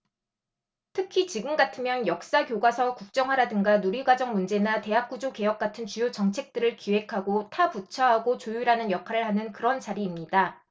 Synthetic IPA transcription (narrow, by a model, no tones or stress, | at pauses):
tʰɯkʰit͡ɕiɡɯmɡatʰɯmjʌnjʌk̚s͈akjoɡwasʰʌkuk̚t͡ɕ͈ʌŋɦaɾadɯŋɡanuɾiɡwad͡ʑʌŋmund͡ʑe̞nate̞ɦak̚k͈ud͡ʑoke̞jʌk̚k͈atʰɯnt͡ɕujot͡ɕʌŋt͡ɕʰe̞k̚t͈ɯɾɯɭkiwe̞kʰaɡotʰaput͡ɕʰʌɦaɡot͡ɕojuɾanɯnjʌkʰaɾɯɭhanɯnkɯɾʌnt͡ɕaɾiːmɲida